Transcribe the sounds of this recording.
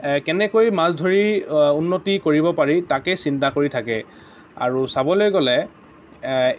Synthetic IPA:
kɛnɛkojmasdʱoɹiunːotikoɹibɔpaɹitakɛsintakoɹitʰakɛ | a̰ɹusabɔlojɡɔlɛ

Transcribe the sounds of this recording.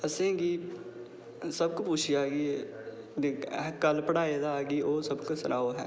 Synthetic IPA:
əsẽːɡiː | səbkopʊt͡ʃʰijaːɡi | kəlpəɽaːed̪aɡiːʔoːsəbkosʊnaːoɦɛ̰ː

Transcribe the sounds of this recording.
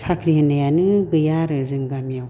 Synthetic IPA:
sʰakʰɾihanɐjanɯɡɯjaɾɯzɯŋɡamijaw

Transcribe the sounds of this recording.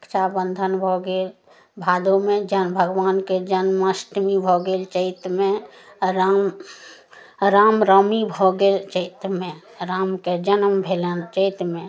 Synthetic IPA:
kt͡ʃʰabə̃nd̪ʱənbʱoɡeːl | bʱaːd̪õmẽd͡ʒənbʱəɡwaːnked͡ʒənməsʈmibʱoɡeːlt͡ʃəɪt̪mẽ | ɾam | ɾaːmɾəmibʱoɡelt͡ʃəɪt̪mẽ | ɾaːmked͡ʒənəmbʱelət͡ʃəɪt̪mẽ

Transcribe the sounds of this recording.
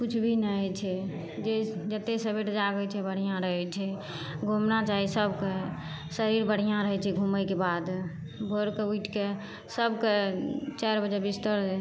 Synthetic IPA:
kut͡ʃʰbʱinɛt͡ʃʰɛ | d͡ʒed͡ʒət̪esəbeʈd͡ʒaɡət͡ʃʰɛbəɽ̤ijãɾəɦɛt͡ʃʰɛ | ɡʱomnat͡ʃaɦisəbke | səɾiɾbəɽ̤ijãɾəɦɛt͡ʃʰɛɡʱuməjkebad̪ | bʱoɾkeuiʈʰke | səbket͡ʃɛɾbəd͡ʒebist̪əɾ

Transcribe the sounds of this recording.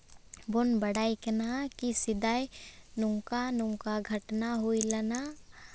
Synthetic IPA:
bʊnbəɽaːiknakisɪd̪aːinʊ̃ŋkanʊ̃ŋkaɡʱəʈnaɦoilɐna

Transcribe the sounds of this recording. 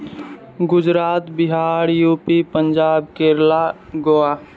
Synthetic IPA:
ɡʊd͡ʒɾaːt̪bɪɦaːɾjuːpipəɲd͡ʒaːbkeːɾlaɡoːaː

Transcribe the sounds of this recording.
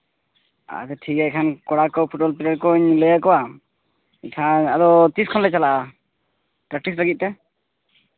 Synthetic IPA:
a̰t̪ɛʈʰikaɛkʰankɔɽakɔwpʰuʈ̚bɔlpilaɖkɔɲləjakɔwa | ikʰaad̪ɔt̪iskʰɔnlɛt͡ʃalaʔa | pɾak̚ʈislaɡit̪̚t̪ɛ

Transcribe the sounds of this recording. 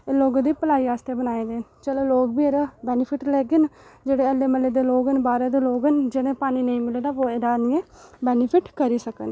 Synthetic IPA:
eloːɡãd̪iːpəlaːiːaːst̪eːbənaːeːd̪eːt͡ʃɛloːloːɡbiːeɾaːbɛːnɪpʰɪʈlɛːɡənd͡ʒeːɽeːəleːməleːd̪eːloːɡənbaːɾeːd̪eːloːɡənd͡ʒeɽẽːpaːniːnəĩːmɪleːdaːʋoːed̪aːnɪẽː | bɛːnɪpʰɪʈkəɾiːsəkən

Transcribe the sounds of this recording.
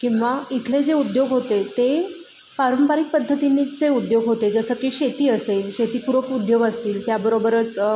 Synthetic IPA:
kĩw̃ʋait̪ʰled͡zeud̪joɡɦot̪et̪e | paɾəmpaɾik̚pəd̪ʱːət̪init͡seud̪joɡɦot̪ed͡zəsəkiːɕet̪iːəselɕet̪iːpuɾʋəkud̪joɡəst̪iːlt̪jabəɾobəɾət͡s

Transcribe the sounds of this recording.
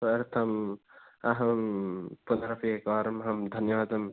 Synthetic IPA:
ɾt̪ʰɐm | aɦɐmpunɾɐpiekaɾɐmɦɐmd̪ʱɐnjɐʋaːd̪ɐm

